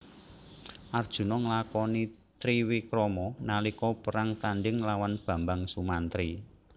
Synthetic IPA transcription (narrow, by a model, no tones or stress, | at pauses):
ʔard̥ʒ̥ṳnɔŋəlakɔni | t̪ɾiwikɾɔmɔnalikɔpəɾaŋt̪anɖɪŋlawanb̥ä̤mbaŋsumant̪ɾi